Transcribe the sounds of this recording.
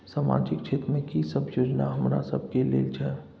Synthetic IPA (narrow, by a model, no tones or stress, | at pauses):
saːma̰ːd͡ʒɪk̚t͡ʃʰeːt̪ɾəmẽkisəbʱjoːd͡ʒnaɦɐmɾa̰sə̰b̚ʱkelḛːlt͡ʃʰɛ